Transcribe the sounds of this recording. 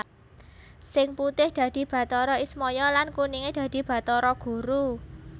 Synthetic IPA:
sɪŋput̪ɪhd̪̥ä̤d̪̥i̤b̥ä̤t̪ɔɾɔismɔjɔlankuniŋed̪̥ä̤d̪̥i̤b̥ä̤t̪ɔɾɔɡ̥ṳɾu

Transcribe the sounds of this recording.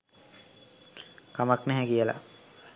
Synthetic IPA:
kamaknɛɦɛkijəla̰

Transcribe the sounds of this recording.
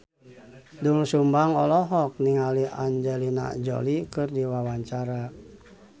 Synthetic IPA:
dulsumbaŋɔlɔɦɔk̚niŋaliaɲd͡ʒɛlina̰d͡ʒo̰likɨrdiwawaɲt͡ʃaɾa

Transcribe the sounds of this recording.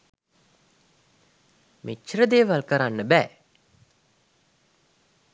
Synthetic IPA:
mʔet͡ʃːɾəd̪eːʋalkəɾanːəbæː

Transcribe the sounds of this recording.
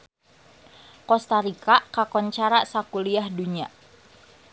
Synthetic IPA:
kɔst̪aɾikaʔkakɔnt͡ʃaɾaʔsakuliahduɲa

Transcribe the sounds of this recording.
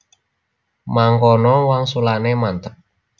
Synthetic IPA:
maŋkɔnɔwaŋsulanemant̪ək̚

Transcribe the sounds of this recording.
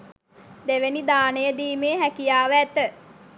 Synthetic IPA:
d̪eʋenid̪aːnejəd̪iːmeːɦækijaːʋəæt̪ə

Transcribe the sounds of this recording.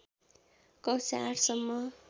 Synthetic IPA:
kʌsa̰ɾsʌmːʌ

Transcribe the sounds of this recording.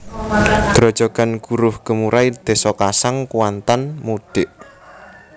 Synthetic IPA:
d̪̥ɾɔd̥d͡ʒ̥ɔ̤ɡ̥a̤nɡ̥uɾʊhɡ̥ə̤muɾʔaid̪̥e̤sɔkasaŋkuwant̪anmuɖ̪̥ɪʔ

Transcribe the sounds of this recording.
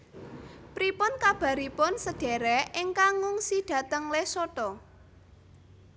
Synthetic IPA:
pɾipʊnkab̥a̤ɾipʊnsəɖ̥ɛ̤ɾɛʔɪŋkaŋɔŋsid̥ä̤t̪əŋlesoʈɔ

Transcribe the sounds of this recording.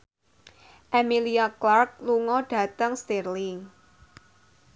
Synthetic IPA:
ʔemiliaklark̚luŋɔɖ̥ä̤t̪əŋst̪erliŋ

